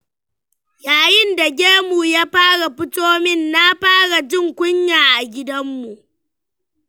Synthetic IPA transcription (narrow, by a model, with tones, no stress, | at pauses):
jaː˨jɪ˦nda˨ɡʲeː˦mu˨jaː˦ɸaː˦ɽa˨ɸɪ˦toː˦mɪ˦˨nːa˦ɸaː˦ɽa˨d͡ʒɪ˦˨ŋkʷʊ˦ɲjaː˨ʔa˨ɡʲɪ˦dɐ˦mːu˨ʔ